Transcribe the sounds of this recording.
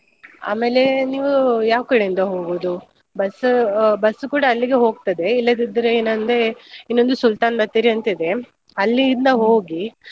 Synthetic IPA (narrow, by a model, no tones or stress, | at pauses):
a̰ːme̞ːle̞niːʋujaːʋkɐɽeind̪ɐɦo̞ːɡoːd̪u | bɐsbɐsukuːɽɐːlːiɡe̞ɦo̞ːɡ̚t̪ɐd̪e̞ilːɐd̪id̪ɐɾeeːnɐnd̪einːo̞nd̪usult̪aːnbɐt̪ːiːɾiɐnt̪ɐid̪e̞ | ɐlːiːnd̪ɐɦoːɡi